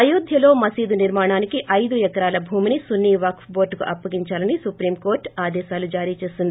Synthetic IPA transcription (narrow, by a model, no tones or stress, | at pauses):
ɐjuːd̪ʱjɐlo̞ːmɐsiːd̪uniɾmaːɳaːnikiʔɐjd̪uɛkɐɾaːlɐbʱuːminisunːiːʋaːkfbo̞ːɾʈkuʔɐpːɐɡiɲt͡ʃaːlɐnisupɾiːmko̞ːɾʈaːd̪ɛːʃaːlud͡ʒaːɾiːt͡ʃe̞ːsind̪i